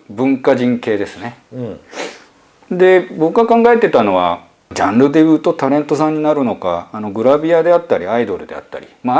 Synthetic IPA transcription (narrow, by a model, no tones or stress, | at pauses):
bɯ̟̃ŋkaʑĩŋke̞ːd̪e̞sɨne̞ | d̪e̞bo̞kɯɡakãŋɡae̞t̪ːe̞t̪ano̞βa̰ | d͡ʑãnɾɯ̟d̪e̞bɯ̟t̪o̞t̪aɾẽ̞nt̪o̞sãɲ̟ːinaɾɯ̟no̞ka̰ːno̞ɡɯ̟ɾabʲiad̪e̞at̪ːaɾʲiaid̪o̞ɾɯ̟d̪e̞a̰t̪ːa̰ɾʲḭma